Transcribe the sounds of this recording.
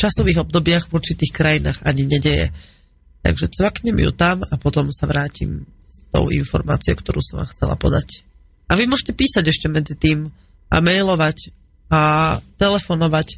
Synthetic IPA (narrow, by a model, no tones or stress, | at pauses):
t͡ʃasɔʋiːɣɔb̚d̪ɔbɪaɣvɔɾt͡ʃit̪iːxkɾajinaːɣaɲiɲɛɟɛjɛ̰ | t̪a̰ɡʒɛt͡sʋakɲɛmjṵt̪amapɔt̪ɔmsaʋɾaːcḭmst̪ɔ̰ʊʔḭnfɔ̰ɾma̰ːt͡siɔ̰ʊkt̪ɔɾṵːsɔmʋa̰ːmxt͡sɛ̰la̰pɔ̰d̪ac | ʔaʋimʊɔʒcɛpiːsaɟɛʃcɛmɛd͡zit̪iːm | ʔa̰mɛjlɔʋac | at̪ɛlɛfɔnɔʋac